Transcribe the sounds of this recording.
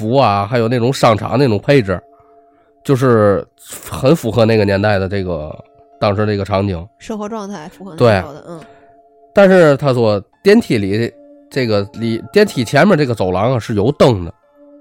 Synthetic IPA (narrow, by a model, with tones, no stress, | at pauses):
u˧˥ɐ˧xa˧˥ɪjo˨˩ʊna˥˩ʈ͡ʂʊ˧˥ŋʂɑ˥˩ŋʈ͡ʂʰɑ̰˧˥ne˥˩ʈ͡ʂʊ˨˩ŋpʰe˥˧ɪʈ͡ʂɻ̩˨˩ | t͡ɕjo˥˧ʊʂɻ̩˥˩ | xə˧˥nfu˧˥xɤ˧˥na˥˩ɡə˩njɛ˧˥nt̪a˥˩ɪd̪ə˩ʈ͡ʂɤ˥˩ɡə̰˩ | t̪ɑ˥˩ŋʂʰə˥d̪ə˩i˧˥ɡə˧ʈ͡ʂʰɑ˧˥ŋt͡ɕi˧˥˦ŋʂɤ˥˧xwɔ˧˥ʈ͡ʂwɑ˥˧ŋt̪ʰa˥˩ɪfxt̪we˥˩ɪ | t̪a˥˧nʂɻ̩˥˩t̪ʰa˥t͡swɔ˥˩t̪jɛ˥nt̪ʰi˨˩li˨˩˥ | ʈ͡ʂe˥˩ɡə˩li˨˩t̪jɛ˥nt̪ʰi˨˩t͡ɕʰjɛ˧˥nmɛ˧nʈ͡ʂɡə˩t͡so˨˩ʊlɑ˧˥ŋɐ˧ʂɻ̩˥˩jo˧˥ʊt̪ɤ˥˩ŋd̪ə̰˩